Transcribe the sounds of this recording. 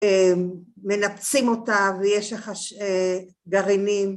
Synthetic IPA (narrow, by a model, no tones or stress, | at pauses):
eː | e̞napt͡simo̞tavejeʃleχaʃe | ɡaʁinim